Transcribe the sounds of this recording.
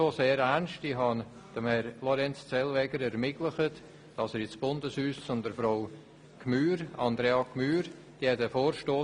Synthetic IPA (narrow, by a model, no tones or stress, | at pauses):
oseːɾæɾnʃtiɦɑn | d̥əmhɛɾlɔɾɛnt͡st͡sɛlvɛɡəɾɛɾmɪtləχət | d̥ɑsəɾɪt͡sb̥ʊndəshyːssʊndəɾfɾɔw | kʰmyːɾɑnd̪ɾeɑkʰmyːɾ | d̥iɛtəfoːɾʃtoː